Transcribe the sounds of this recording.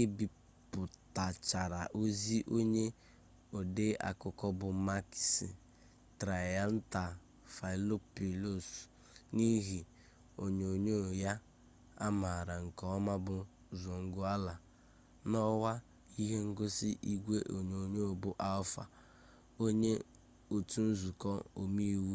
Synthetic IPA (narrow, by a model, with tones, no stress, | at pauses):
e˦bi˨ | pʊ˨ta˨t͡ʃa˨ɾa˨ʔo˦zi˦ʔo˦ɲe˦ | o˨de˦ʔa̰˨kʊ˨kɔ˦bʊ˨ma˦ksi˨ | tɾa˨ja˦n̩˦ta˨ | fa˨lo˦pi˨lo˦s | ni˦ɦi˨ | o˨ɲ˨o˨ɲo˦˨ja˦ | a̰˦ma˨ɾa˨ŋ̩˨kɔ˨˦ɔ˦ma˦bʊ˨ | zɔ˨ŋ̩˦ɡʊ˦a˦la˨ | nɔ˦wa˦ | i˦ɦe˦ŋ̩˦ɡo˦sɪ˦ʔi˦ɡʷe˦ʔo˨ɲe˨o˨ɲo˦o˨bʊ˦ʔa˦ʊ˦fa̰˨ | o˦ɲe˦ | o˨tu˦n̩˦zu˨kɔ˦o˨mi˦wu˦